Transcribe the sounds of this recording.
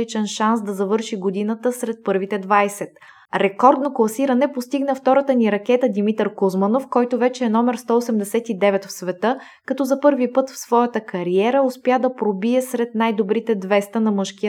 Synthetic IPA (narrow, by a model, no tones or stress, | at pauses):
it͡ʃɛnʃansd̪ɐzɐvɤɾʃiɡod̪inət̪əsɾɛt̪̚pɤɾvit̪ɛd̪vajsɛt̪ | ɾɛkɔɾd̪noklˠɐsiɾɐnɛpost̪iɡnəft̪ɔɾət̪əniɾɐk̟ɛt̪əd̪imit̪əɾkozmɐnofkɔjt̪ovɛt͡ʃɛːnɔmɛɾst̪ɔosɛmd̪ɛsɛt̪id̪ɛvɛt̪fsvɛt̪ɤ | kɐt̪ɔzɐpɤɾvipɤt̪fsvɔjət̪əkɐɾiɛɾəospjad̪ɐpɾobiɛsɾɛt̪najd̪obɾit̪ɛd̪vɛst̪ənɐmɤʃkiə